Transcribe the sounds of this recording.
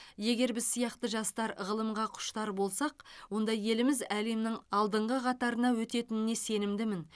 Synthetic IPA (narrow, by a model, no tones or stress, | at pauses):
je̞ɡʲe̞ɾbɪzsijɑqt̪əʒɑst̪ɑɾʁəlˠəmʁɑqʰʊ̥ʃt̪ɑɾbo̞lˠsɑqwo̞nd̪ɑje̞lɪmɪzæle̞mnɪŋɑlˠd̪əɴʁəqʰɑt̪ɑɾənɑwɵt̪e̞t̪ɪnɪne̞se̞nɪmd̪ɪmɪn